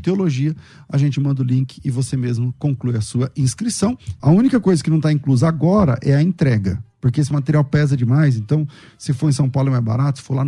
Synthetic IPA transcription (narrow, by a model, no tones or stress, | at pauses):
t̪eoloʒiɐ | ɐʒẽnt͡ʃɪmɐ̃nd̪ʊlĩkɪ̥ɪvosemezmʊkõklujɐsuɐĩskɾisɐ̃w̃ɐ̰ũnikɐkojzɐkɪnɐ̃w̃t̪aĩkluzɐaɡɔɾɐ̰ʔɛɐẽnt̪ɾɛɡɐpoɾkeesɪmat̪eɾiawpɛzɐd͡ʒɪmajz̬ẽnt̪ɐ̃w̃ | sɪfoɾẽs̬ɐ̃w̃pawlʊɛm̃ba̰ɾat̪ʊsɪ̥folan